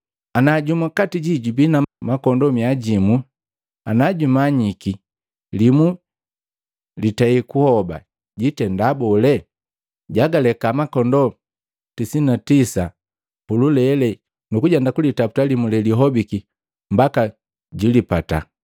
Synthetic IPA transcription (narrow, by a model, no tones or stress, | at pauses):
anaɟumakatiɟiɟubinamakɔndɔmiaɟimu | anaɟumaɲiki | limu | litaikuhɔba̰ | ɟitɛndabɔlɛ | ɟaɡalɛkamakɔndɔ | tisinatisa | pululɛlɛ | nukuɟɛndakulitapu̥talimulɛliɦɔbiki | m̩baka | ɟilipata̰